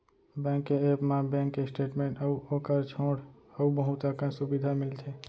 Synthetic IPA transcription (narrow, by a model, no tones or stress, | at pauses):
bɛ̃ːŋkːeeːpmãbɛ̃ːŋkːesʈeːʈmẽːɳʈəuoːkəɾt͡ʃʰoːɽəubəɦut̪əkãsubid̪ʱamɪlt̪ʰeː